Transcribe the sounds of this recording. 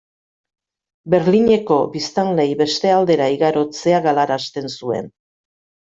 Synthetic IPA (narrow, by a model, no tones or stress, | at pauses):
be̞ɾliɲe̞ko̞bist̪anle̞jβe̞st̪e̞ald̪e̞ɾaiɣaɾo̞t͡se̞aɣalaɾast̪e̞nsue̞̰n